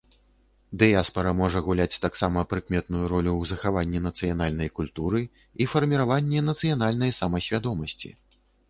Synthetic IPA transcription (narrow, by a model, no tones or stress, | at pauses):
d̪ɨjaspɐɾɐmɔʐɐɣulʲat͡sʲt̪aksamɐpɾɨkmʲɛt̪nujuɾɔlʲuwzɐxavanʲːɛnɐt̪sɨjanalʲnɐjkulʲt̪uɾɨ | ifɐrmʲiɾavanʲːɛnɐt̪sɨjan̪alʲnɐjsamɐsʲvʲad̪ɔmɐsʲt͡sʲḭ